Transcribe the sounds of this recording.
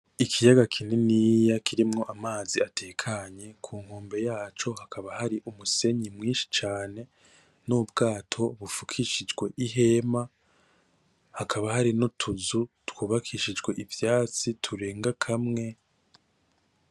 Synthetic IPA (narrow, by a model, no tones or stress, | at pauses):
ikʰijaɡakʰininijakiɾimŋo̞ʔamaːziate̞ːkʰaɲe̞kʰuːŋhoːmbe̞jaːt͡ʃo̞ɦakʰaβahaɾiʔumuse̞ɲimŋiːnʃi̥t͡ʃaːne̞ | nubɡaːtʰo̞βufukʰiʃid͡ʒɡwe̞ʔiɦe̞ːma | hakʰaβahaɾinotʰuzutkuːβakʰiʃid͡ʒɡwe̞ʔivjaːt͡sitʰuɾe̞ːŋɡakʰamŋe̞